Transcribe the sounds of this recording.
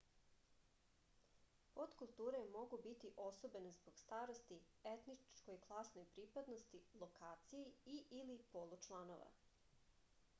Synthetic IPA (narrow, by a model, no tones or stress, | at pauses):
pot̪kulˠt̪uːɾemo̞ɡubit̪iʔo̞sobenezboɡ̥st̪aːɾost̪i | et̪nikojklˠasnojpɾiːpad̪nost̪ilˠokaːt̪sijiiʔilipolˠut͡ʃlˠano̰ʋa̰